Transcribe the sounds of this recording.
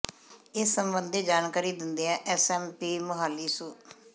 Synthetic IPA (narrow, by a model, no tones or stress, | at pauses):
ɪsːəmbənd̪eːd͡ʒaːnkaːɾiːd̪ɪnd̪eːɛ̃ːʔɛsɛːmpiːmʊɦaːlːiːsũː